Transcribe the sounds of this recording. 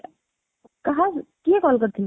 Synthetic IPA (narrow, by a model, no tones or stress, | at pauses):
kɐɦãkiẽkɔlkəɾt̪ʰin